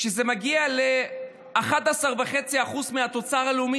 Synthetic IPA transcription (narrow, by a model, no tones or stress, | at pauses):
ʃezemaɡiale | aχat̪asaʁvaχe̞t͡siaχuzmeat̪o̞t͡saʁaleumi